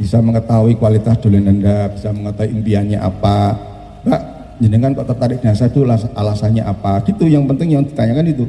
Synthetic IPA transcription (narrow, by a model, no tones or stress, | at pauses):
b̥isaməŋət̪aɦuikuwalit̪asd̪̥o̤lenəndab̥isaməŋət̪aɦuʔimpianɲa̰ʔa̰pa | b̥aʔ | d͡ʒənɪŋkankɔʔt̪at̪aɾɪɡ̥inasait̪ulasalasaɲaʔapaɡ̥it̪ujaŋpənt̪ɪŋjaŋd̥i̤̥t̪aɲakanit̪u